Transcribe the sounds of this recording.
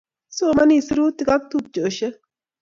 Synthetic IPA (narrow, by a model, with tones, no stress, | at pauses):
so˨mɐ˦ni˦˨sɪ˦ɾuː˦t̪ːɪ˨ka˦k̚t̪u˨b̚d͡ʒo˨ʃe˦